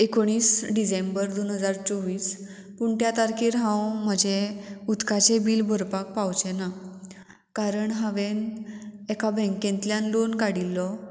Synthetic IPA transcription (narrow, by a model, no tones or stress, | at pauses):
ekoɽ̃iːsɖisembəɾd̪onɦəd͡zaɾt͡sɔʋiːs | puɳt̪jat̪aɾkʰiɾɦãwməd͡ʑeud̪kʰat͡sebiːlbʱəɾpak̚pawt͡ɕena | kaɾəɳɦaʋenɛkʰabʱɛ̃ŋkẽnt̪ljanlonkaɽilːɔ